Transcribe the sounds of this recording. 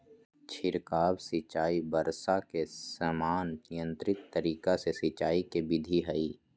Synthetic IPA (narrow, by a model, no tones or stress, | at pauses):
t͡ʃʰɪɾkaːbsɪt͡ʃaːibəɾsakesəmaːnnɪjə̃nt̪ɾɪk̪t̪əɾiːkasesɪt͡ʃaːikebɪd̪ʱiɦəiː